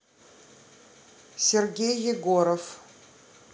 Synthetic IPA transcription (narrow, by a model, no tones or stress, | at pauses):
sʲerɡʲejːɪɡoɾof